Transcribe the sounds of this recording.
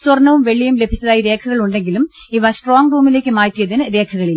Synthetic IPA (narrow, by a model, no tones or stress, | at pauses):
sɐrnːɐʋumʋeɭːijumle̞bʱit͡ɕːɐðaːjiɾe̞ːkʰuɣɐɭuɳɖe̞ŋɡilum | iʋɐsʈroːŋruːmile̞ːkːɨmaːtːijɐðinɨɾe̞ːkʰɐɣɐɭil